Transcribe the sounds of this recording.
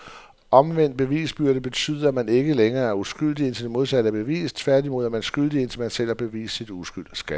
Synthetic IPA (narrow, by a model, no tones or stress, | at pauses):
ʔɒ̽mʋen̰d̥̚b̥e̝ʋḭːsb̥yɐɾəb̥e̝t͡sʰy̰ːð̞ˠɐæmæne̝ɡ̥əleŋɐːæɐusɡ̥yl̰d̥ie̝nt͡sʰe̝d̥emo̝ð̞ˠsæɾ̥əæb̥e̝ʋḭːst͡sʰʋæɐd̥imo̝ð̞̰ˠæmænsɡ̥yl̰d̥ie̝nt͡sʰelmænsel̰ɐb̥e̝ʋḭːssid̥usɡ̥yl̰d̥sɡ̥æ